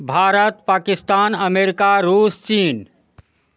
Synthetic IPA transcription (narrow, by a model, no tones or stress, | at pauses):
bʱaːɾət̪paːkist̪aːnəmeɾikaɾuːst͡ʃiːn